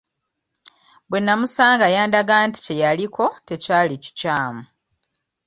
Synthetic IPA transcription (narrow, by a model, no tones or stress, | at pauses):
bwenːamusaːŋɡajaːndaɡanti̥ce̞jaliko̞te̞caːlici̥caːmu